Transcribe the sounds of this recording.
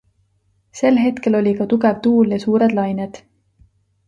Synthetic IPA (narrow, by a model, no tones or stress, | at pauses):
se̞lɦe̞t̪ke̞lo̞lʲikɑt̪uɡe̞vt̪uːljɑsuːɾe̞d̪̥lɑjned̪̥